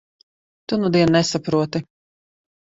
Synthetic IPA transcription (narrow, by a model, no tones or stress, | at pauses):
t̪unud̪iɛnnɛsapɾuɔt̪i